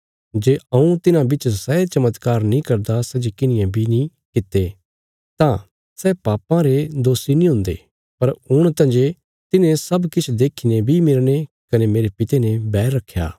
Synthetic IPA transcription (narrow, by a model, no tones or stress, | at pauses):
d͡ʒeːɐũt̪ɪnãbɪt͡ʃsɛet͡ʃɐmət̪kaːɾnĩkɐɾd̪asɛd͡ʒekɪnɪjãbʱinĩ | kɪt̪ːe | t̪ã | sɛpaːpãɾed̪oːsinĩɦʊ̃nd̪ḛ | pɐɾʊɽ̃t̪ɐ̃ːd͡ʒe | t̪ɪnẽsɐbkɪt͡ʃʰd̪eːkʰinebʱimɪlɽ̃e | kɐnemeːɾepɪt̪enebɛːɾːɐkʰːja̰ː